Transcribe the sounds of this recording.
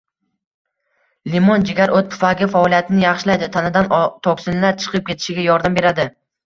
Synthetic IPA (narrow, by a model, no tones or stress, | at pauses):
limond͡ʒɪɡʲaɾʔot̪pʰʊ̥faɡʲɪfaɒlijat̪ʰɪnɪjɑχʃɪlajd̪ɪt̪ʰanɪd̪ant̪ʰɒkʲsɪnlaɾt͡ʃʰɨ̥qʰɨp̚kʲʰe̞t̪ʰɪʃɪɡʲajɒɾd̪ambe̞ɾad̪ɪ